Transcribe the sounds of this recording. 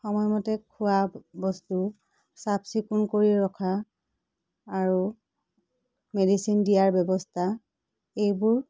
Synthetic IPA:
xɔmɔjmɔtɛkʰuabɔstu | sapsikunkoɹiɹɔkʰa | ɹu | medisindijaɹbjɔbɔstʰa | ejbʊɹ

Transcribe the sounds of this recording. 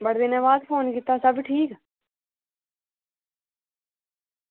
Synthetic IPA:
bəɽd̪enaʋaːd̪fʰoːnkɪt̪ːasəbʈʰiːk

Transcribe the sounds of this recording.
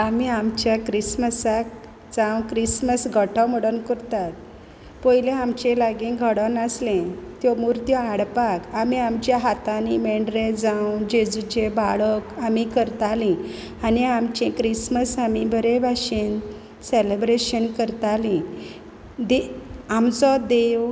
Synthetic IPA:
amiamt͡ɕjakɾisməsak̚ | d͡zãwkɾisməsɡʱəʈʰəməɽənkəɾt̪at̪̚ | pɔjlẽamt͡ɕẽlaɡĩɡʱəɽənaslẽt̪jɔmuɾt̪jɔaɽpakamiamt͡ɕjaɦat̪animeɳɖɾẽd͡zãwd͡ʑed͡zut͡ɕebaɭəkamikəɾt̪alĩ | aniamt͡ɕẽkɾisməsamibʱəɾebʱaɕin | selebɾeɕənkəɾt̪alĩ | d̪eamt͡sɔd̪ew

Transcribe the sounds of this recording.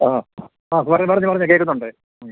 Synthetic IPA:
a | aːpɐrɐɲpɐɐɲːupɐrɐɲːɨk̬ekːunːuɳɖɨ

